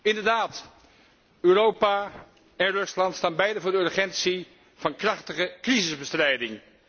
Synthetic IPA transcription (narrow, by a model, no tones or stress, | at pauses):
ɪndəɹdaːt | øːrowpa | ɛnrɵslɑntstaːnbɛjdəvʊːɹdəøɹχɛntsi | v̥ɑnkrɑχtəχəkrizɪzbəstrɛjdɪŋ